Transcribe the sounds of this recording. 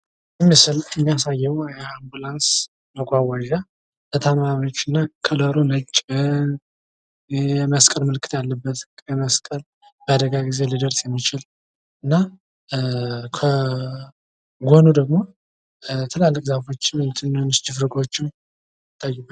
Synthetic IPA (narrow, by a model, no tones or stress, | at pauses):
mːmːijasajːɛwjɛambulans | məɡʷawaʒa | bət̪ʰamamot͡ʃːɨnːakʰələɾonət͡ʃʼːɪn | jɛməskʼəlmɨlkʰɨ̥t̪jalːəbːət̪ʼəməskʼəl | b̥əad̪əɡaɡize̞ləd̪əɾsjɛmːit͡ʃɪl | ʔɨnːa | kʰə | ɡʷo̞nud̪əɡmo̞ | t̪ʰɨlalːɨkʼzafo̞t͡ʃːɪmnt̪ʰɨnːnɨsd͡ʒɪfɾɨɡʼo̞t͡ʃːɪw | ɨt̪ʼːajːɪbə